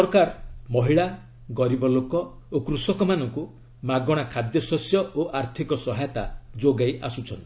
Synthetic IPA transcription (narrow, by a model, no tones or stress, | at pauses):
sɔɾkaɾmɔɦiɭa | ɡɔɾibɔlokɔ | okɾusɔkɔmanɔŋku | maɡɔɽ̃akʰad̪jɔsɔsjɔoʔaɾt̪ʰikɔsɔɦajɔt̪a̰d͡ʒoɡajʔa̰sut͡ʃʰɔnt̪i